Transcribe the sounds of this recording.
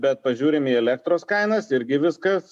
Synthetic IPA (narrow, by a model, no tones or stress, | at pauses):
bʲɛt̪̚pɐʒʲuːɾʲɪmiːɛlʲɛkt̪ɾoːskɐɪnɐsɪɾʲɡʲɪʋʲɪskɐs